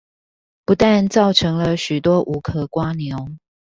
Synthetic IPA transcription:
pu˨˦t̪a˥˨nt͡sɑ˥˨ʊʈ͡ʂʰɤ˧˥ŋlə˧ɕy˨˩t̪wɔ˥ʔu˧˦kʰɤ˨˩kwa˦njo˨˦ʊ

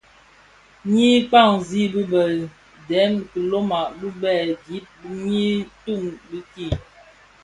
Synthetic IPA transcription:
ɲi˦k͡pa˦˨ŋzi˦bə˦bə˨ | dɛ˨˦mkə˨lo˦ma˨ʔbə˦bɛ˦˨ɡi˦t̚bɲi˦tu˦˨ŋbə˦ki˦˨

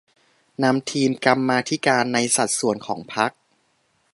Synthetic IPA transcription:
na˧mt̪ʰiː˧mka˧mːaː˧t̪ʰi˦˥kaː˧nːa˧jsa˨˩t̪̚su˨˩ənkʰɔ̰ː˩˦ŋpʰa˦˥k̚

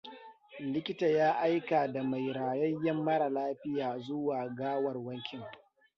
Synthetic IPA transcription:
lɪ˦kʲɪ˦ta˨jaː˦ʔa˦jkaː˨da˨ma˨jɾaː˨jɐ˦jːɐ˦mːɐ˦ɽa˨laː˦ɸɪ˦jaː˨zʊ˦waː˨ɡaː˦wɐ˨rwɐ˦ŋkʲɪ˨ŋ

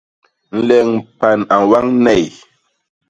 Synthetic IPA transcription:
n̩˦lɛ˨ŋ˨pa˨na˨wa˦ŋnɛ˦˨j

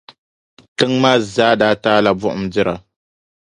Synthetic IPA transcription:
tɨ˦ŋmaː˦zaː˦daː˦taː˦la˨bʊ˦ʔʊ̰˦mdɪ˦ɾa˨

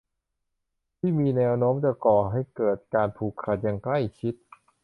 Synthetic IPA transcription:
t̪ʰiː˥˩miː˧nɛː˧˥wnoː˦˥mt͡ɕa˨˩kɔː˨˩ɦa˥˩jkɤː˨˩t̪̚kaː˧np̪ʰuː˨˩kʰːa˨˩t̪̚ja˨˩ŋkla˥˩jt͡ɕʰi˦˥t̪̚

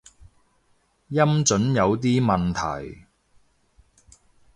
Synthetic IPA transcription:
jɐ˥mt͡sɵ˨˥njɐ˨˧wt̪̬iː˥mɐ˨nt̪ʰɐ̰˨˩j

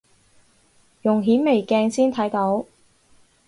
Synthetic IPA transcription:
jʊ˨˩ŋɦiː˨˥nme˨˩jkɛː˧ŋsiː˥nt̪ʰɐ˨˥jt̪o˨˥w

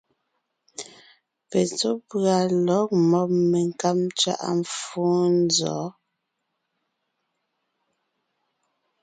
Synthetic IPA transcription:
pe˨t͡so˦pɰa˨lɔ˨˦k̚mɔ˦˨p̚me˨ŋ˨ka˦mt͡ʃɥa̰˦ʔa̰˨ɱ˨fuː˦n˦zɔ̰˨˦

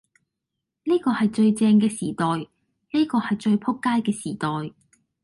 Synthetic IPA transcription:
niː˥kɔː˧hɐ˨jt͡ʃɵ˧ɥt͡sɛː˧ŋkɛː˧siː˨˩t̪ɔː˨j | niː˥kɔː˧hɐ˨jt͡ʃɵ˧ɥpʰʊ˥kːaː˥jkɛː˧siː˨˩t̪ɔː˨j

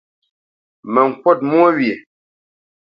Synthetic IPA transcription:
mɛ˨ŋ̩˨kwɔ˦˨t̚mwɔ˦wje˨

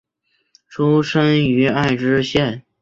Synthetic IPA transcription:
ʈ͡ʂʰu˥ʂə˥ŋy˧˥a˥˩ɪʈ͡ʂɻ̩˥ɕjɛ˥˩n

